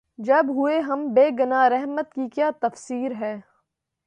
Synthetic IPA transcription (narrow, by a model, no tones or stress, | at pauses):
d͡ʒɐbɦʊeɦɐmbeːɡʊnaːɾɛɦmət̪kikjaːt̪ɐfsiːɾɦɛː